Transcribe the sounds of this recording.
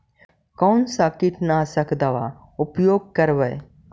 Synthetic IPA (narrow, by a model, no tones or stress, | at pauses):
kɔːnsaːkɪʈnasəkd̪ɐʋa̰ | ʊpjoːɡ̚kəɾʋəj